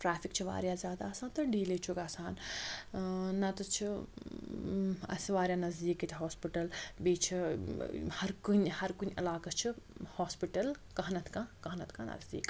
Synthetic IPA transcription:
ʈɾaːfʰikt͡ʃʰiʋa̰ːɾjaːzjaːd̪aɐsãːnt̪ɐɖiːlet͡ʃʰuɡaːsaːn | nɐt̪ɐt͡ʃʰi | ɐ̰sʋaːɾʲjaːnɐzd̪iːkit̪ʲʰiɦoːspiʈɐlbiːt͡ʃʰi | hɐɾkunʲhɐɾkunʲɐlaːkɐt͡ʃʰihoːspiʈɐlkɐɦnɐt̪kãkɐɦnɐt̪ʰkãnɐ̰zd̪ḭːk

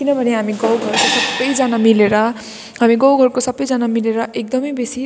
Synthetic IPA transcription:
kinʌbʱʌneɦamiɡʌwɡʱʌɾkosʌbːʌjd͡zanamileɾʌ | ɦamiɡʌwɡʱʌrkosʌbʌjd͡zanamileɾʌʔek̚d̪ʌmʌjbesi

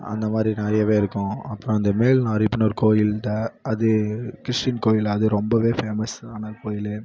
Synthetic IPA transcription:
ɐ̰nd̪ɐmaːd̪ɾinɐɾɐjɐʋeːɪɾɯkːʊ̃ɐpːɯɾɔ̃ɐnd̪ɐmeːlnaɐɾɪpːɪnoɾɯkoːjɪlt̪ɐɐðɯkɪɾɪʂʈɪnkoːjɪlɐðɯɾɔmbɐʋeːfeːmɐsaːnɐkoːjɪl

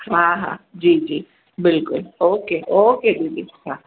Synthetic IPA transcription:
ɦãɦã̰d͡ʒiːd͡ʒiː | bɪlkʊloːkeʔoːked͡ʒiːd͡ʒḭɦã

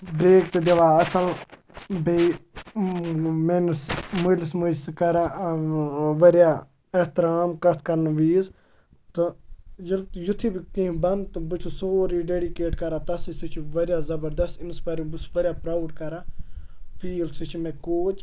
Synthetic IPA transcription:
bɾeːkt̪ɐd̪eʋaːɐsɐl | bi | mensmulɪsmʊlskɐɾa | ʋɐɾjaː | ɐht̪ɪɾaːmkɐt̪ʰkɐɾnʋiːz | t̪ɨjɐjʊt̪ʰːiːbikĩĩbɐnd̪t̪ubʊt͡ʃʰusoːɾiɖeːɖikeːʈkɐɾaːt̪ɐsisit͡ʃʰʋɐɾjaːzɐbəɾd̪ɐst̪ɪnspɐɾibʊsʋɐɾʲjaːpɾaːwɖkɐɾaː | pʰiːlsit͡ʃʰmẽkoːt͡ʃ

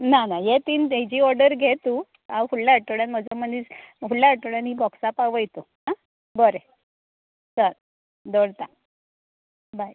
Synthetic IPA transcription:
nanajet̪iːnid͡ʑiːɔɾɖəɾɡʱet̪u | awfullaəʈəɽjanm̤əd͡zəməniːsfullaəʈəɽjanɦibɔksapaʋəjt̪oɦa | bəɾe | səɾ | d̪oɽt̪a | baj

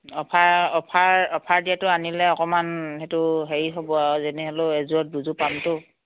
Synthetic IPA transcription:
ɔpʰaɔpʰaɹɔpʰaɹdijatʊanilɛɔkɔmanhetʊɦeɹiɦɔbɔazɛnɛɦɔlʊɛzuɔt̚buzupamtʊ

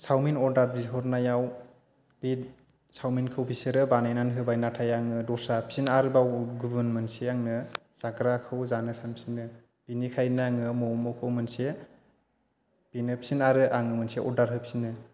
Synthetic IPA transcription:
sawminɔɾdaɾɾiɦɔɾnajaw | bi | sawminkʰɯwpʰiseɾɯbanajnanɦɯbajnatʰajaŋɯdɔsapʰi̥sinaɾɯbawɡubɯnmɯnseaŋnɯ | z̥aɡɾakʰɯwzanɯsansinɯ | pinikʰajnaŋɯmɔmɔkʰɯwmɯnse | pinɯpʰi̥sinaɾɯʔaŋɯmɯnseʔɔɾdaɾɦɯpʰi̥sinɯ

